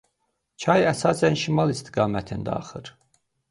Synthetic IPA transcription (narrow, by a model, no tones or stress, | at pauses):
cʰɑjæsɑːsænʃimɑlˠist̪ʰi̥ɡɑːmæt̪ʰind̪æ̰ɑ̰χɯɾ